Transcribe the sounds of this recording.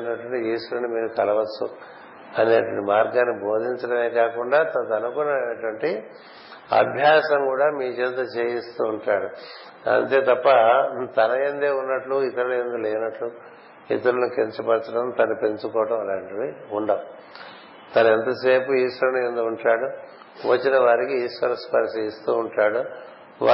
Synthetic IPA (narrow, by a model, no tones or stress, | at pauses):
nːɐʈʋɐɳʈiiːʂɐnimiːɾukɐlɐʋɐt͡ʃːu | ɐneːʈʋɐɳʈimaːɾɡaːnːibo̞ːd̪ʱiɲt͡ʃɐɽɐme̞ːkaːkuɳɖaːt̪ɐnɐt̪ɐnukunɐeʈʋɐɳʈi | ɐ̰bʱjaːsɐmkuːɽaːmiːt͡ʃɛnd̪ɐt͡ʃe̞ːjist̪uːɳʈaːɽu | ɐ̰nt̪e̞ːt̪ɐpːɐt̪ɐnɐend̪eːunːɐʈluit̪ɐɾɐlɐend̪ulɛːnɐʈlu | ḭt̪ɐɾɐnukeɲt͡ʃɐpɐɾt͡ʃɐʈɐmt̪ɐnɐpe̞ɲt͡ʃukɔːʈɐmɐlaːɳʈiiuɳɖɐm | t̪ɐnɐɛnt̪ɐse̞ːpuiːʂʋɐɾɐnend̪uːɳʈaːɽu | ʋɐt͡ʃːinɐʋaːɾikiiːʂʋɐɾɐspɐɾseːjist̪uːɳʈaːɽu | ʋa